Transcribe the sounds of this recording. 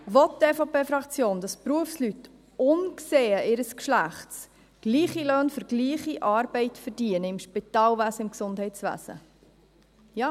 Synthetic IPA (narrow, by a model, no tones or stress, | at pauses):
ʋɔt̚d̥ɛfoːpeːfɾɑkt͡sjoːnd̥̪ɑspɾuəfslyt | ʊnkseːəʔɪɾəskʃlæχts | ɡ̥liːχiløːnfʏɾɡ̥liːχiʔɑːɾbɛɪtfəɾdiənəɪmʃpit̪ɑːlʋæsəɪmksʊndɦɛɪtsʋæ̰sə̰ | jɑː